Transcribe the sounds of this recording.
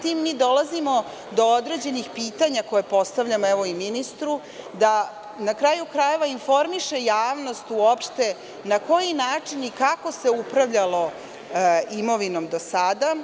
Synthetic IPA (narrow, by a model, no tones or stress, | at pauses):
t̪iːmːiːd̪o̞lazimo̞ | d̪o̞od̪ɾe̞d͡ʑe̞nixpiːt̪aɲako̞jepo̞st̪aʋʎamoeʋo̞iminist̪ɾu | d̪a | nakɾajukɾaje̞ʋainfo̞ɾmiʃe̞jaːʋno̞st̪uopʃt̪e̞ | nako̞jinaːt͡ʂinikako̞se̞upɾaʋʎalo̞ | imo̞ʋino̞md̪o̞sad̪a